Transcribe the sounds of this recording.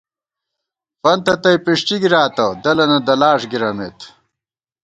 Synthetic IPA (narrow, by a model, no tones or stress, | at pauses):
pɐnt̪ɐt̪ɐjpiʂʈ͡ʂiɡiɾaːt̪ɐd̪ɐlɐnɐd̪ɐlaːʂɡiɾɐmet̪